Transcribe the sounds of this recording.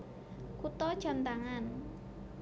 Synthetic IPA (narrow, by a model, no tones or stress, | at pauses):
kut̪ɔt͡ʃɔnt̪aŋan